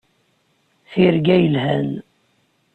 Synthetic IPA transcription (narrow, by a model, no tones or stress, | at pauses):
θiɾɡæjəlhæn